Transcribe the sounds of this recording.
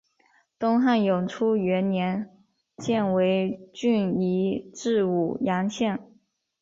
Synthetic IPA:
t̪ʊ˥ŋxa˥˩njʊ˨˩ŋʈ͡ʂʰu˥ɥɛ˧˥nnjɛ˧˥n | t͡ɕjɛ˥˩nwe˧˥ɪt͡ɕy˥˩ni˧˥ʈ͡ʂɻ̩˥˧u˨˩jɑ˧˥ŋɕjɛ˥˩n

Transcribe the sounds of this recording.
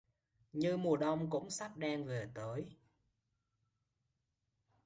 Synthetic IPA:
ɲɨ˧mu˨˩əɗə˧wŋ͡mkʊ̰˧˥ŋ͡msa˦˥p̚ɗaː˧ŋve˨˩t̪əː˨˦j

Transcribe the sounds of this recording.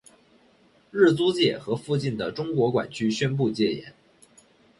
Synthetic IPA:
ɻɻ̩˥˩t͡su˥t͡ɕjɛ˥˩xɤ˧˥fu˥˧t͡ɕi˥˩nd̪ə˩ʈ͡ʂʊ˥ŋkwɔ˧˥kwa̰˨˩nt͡ɕʰy˥ɕɥɛ˥np̬u˥˧t͡ɕjɛ˥˩jɛ̰˧˥˦n

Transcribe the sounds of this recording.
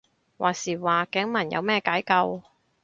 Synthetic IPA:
waː˨˩siː˨˩waː˨kɛ˨˥ŋmɐ˨˩njɐ̰˧wmɛː˥˧kaː˨˥jkɐ˧w

